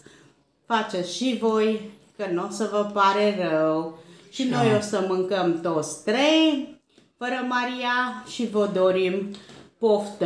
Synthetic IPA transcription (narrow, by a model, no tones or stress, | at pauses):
fat͡ʃet̪sʃivo̞j | kənosəvəpaɾerəwʃino̞josəmɨŋkəmt̪o̞t̪sʲt̪ɾej | fəɾəmaɾiaʃivod̪oɾimpoft̪